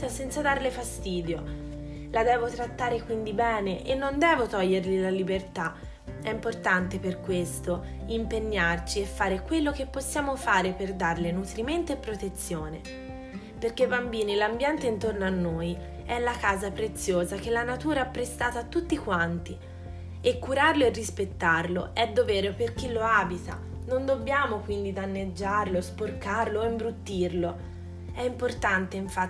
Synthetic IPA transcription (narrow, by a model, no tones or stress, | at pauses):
asɛnt̪sad̪arlefast̪iːd̪jo | lad̪ɛːvot̪ɾat̪ːaːɾekwind̪ibɛːneʔenːond̪ɛːvot̪ɔʎːerlilalibert̪a | ɛimport̪ant̪eperkwest̪o | impeɲːart͡ʃiefːaːɾekwelːok̟epːosːjaːmofaːɾeperd̪arlenut̪ɾiment̪oepːɾot̪et̪sːjoːne | perkebambiːnilambjɛnt̪eint̪ornoanːoːj | ɛlːakaːzapɾet̪sːjoːzak̟elːanat̪uːɾaɛpːɾest̪aːt̪aːt̪ːut̪ːikwant̪i | ekːuɾarloerːispet̪ːarloʔɛd̪ːovɛːɾoperk̟ilːoaːbit̪a̰ | nond̪obːjaːmokwind̪id̪anːed͡ʒːarlosporkarloimbɾut̪ːirlo | ɛimport̪ant̪eiɱfa